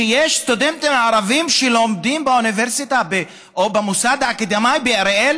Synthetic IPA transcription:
ejeʃtod̪emt̪emaʕaɾavimʃeloːmd̪imbeuniveʁsit̪abe | ʔobemusad̪aːkid̪amajbeaɾel

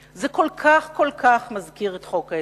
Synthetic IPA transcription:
zekolkʰaχko̞lkʰaχmazkiʁetχo̞ka

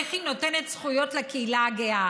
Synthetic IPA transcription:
eχino̞te̞netsχujo̞tlekeilaɡea

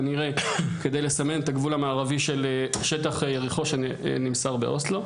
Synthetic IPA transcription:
aniʁe̞ke̞d̪ejle̞same̞net̪aɡvulamaːʁaviʃeleʃet̪aχejeʁiχo̞ʃḛnimsaʁbeʔo̞slo

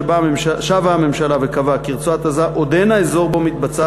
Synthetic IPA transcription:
baemʃaʃavaːme̞mʃalavekavakiʁt͡suat̪azaʔod̪enaezo̞ʁbo̞mit̪̚bat͡sa

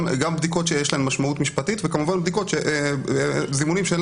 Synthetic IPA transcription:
ɡambd̪iko̞t̪ʃejeʃlaemːaʃmaut̪miʃpatit̪vekamuvanbd̪iko̞t̪ʃeʔ | zimunimʃel

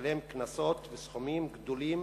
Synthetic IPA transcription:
le̞mknaso̞t̪vesχomimɡd̪olim

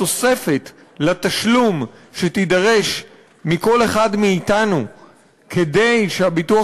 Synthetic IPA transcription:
ose̞fe̞t̪ | lat̪aʃlum | ʃet̪idaʁe̞ʃ | miko̞le̞χadmiːtanu | kʰede̞jʃeabitua

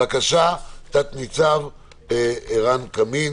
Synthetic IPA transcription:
akaʃat̪at̪nit͡sav | eeʁankamin

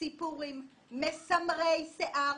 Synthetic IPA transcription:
ipuʁimː | esamʁejseʔa

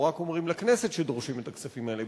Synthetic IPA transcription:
ʁakomʁimlaknese̞t̪ʃed̪oʁʃime̞t̪aksafimaele

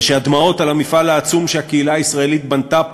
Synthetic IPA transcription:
ʃead̪mao̞talamifalaːt͡sumʃehakeilaːisʁae̞lit̪̚bant̪a

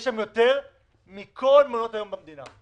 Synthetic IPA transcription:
ʃamjo̞t̪e̞ʁ | mikʰo̞lmalot̪ajo̞mbamd̪ina̰

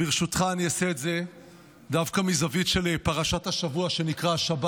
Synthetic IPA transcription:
biʁʃutχaːniaseetze̞ | davkamizavitʃe̞lepaʁaʃathaʃavuaʃe̞nikʁaʃab

